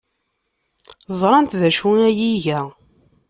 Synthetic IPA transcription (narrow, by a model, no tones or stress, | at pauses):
zˤɾˤɑnt̪ðæʃunæjiʝæ